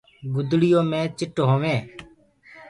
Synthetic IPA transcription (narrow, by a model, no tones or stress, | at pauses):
ɡʊd̪ɽɪjõːmẽːt͡ʃɪʈɦoːʋẽː